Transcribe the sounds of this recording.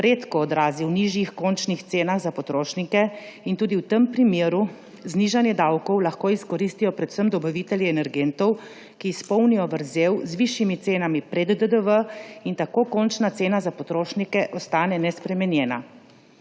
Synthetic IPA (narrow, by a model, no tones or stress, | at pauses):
ɾeːt̪kɔːd̪ɾaːziwniʒjixkont͡ʃnixt̪seːnaɣzapɔt̪ɾoːʃnikɛint̪uːd̪iwt̪əmpɾimjeːɾu | zniːʒanjɛd̪awkɔwlaxkoiskɔɾiːst̪ijɔpɾɛt̪w̥səmd̪ɔbɐʋit̪ɛljiɛnɛɾɡent̪ɔw | kiːspɔwnijɔʋəɾzeːwzʋiʃjimit̪seːnamipɾɛd̪ːəd̪əʋəint̪akoːkont͡ʃnat̪seːnazapɔt̪ɾoːʃnikɛʔɔst̪aːnɛnɛspɾɛmɛnjɛːna̰